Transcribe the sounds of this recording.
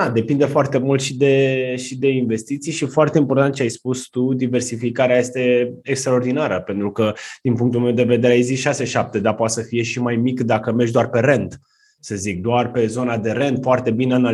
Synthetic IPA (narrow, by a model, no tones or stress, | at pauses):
ad̪e̞pind̪efoart̪e̞mult̪ʃid̪e̞ʃid̪e̞inve̞st̪it̪sijʃifoart̪e̞impo̞rt̪ant̪̚t͡ʃeajspust̪ud̪iversifikaɾeajest̪e̞ekst̪ɾaord̪inaɾəpe̞nt̪ɾukəd̪̥inpuŋkt̪ulmewd̪e̞ve̞d̪e̞ɾeaeziʃase̞ʃap̚t̪e̞d̪apoat̪səfije̞ʃimajmikd̪akəmerʒd̪oarpe̞ɾe̞nd̪ | səzik̚d̪oarpe̞zo̞nad̪e̞ɾe̞nd̪foart̪e̞bineana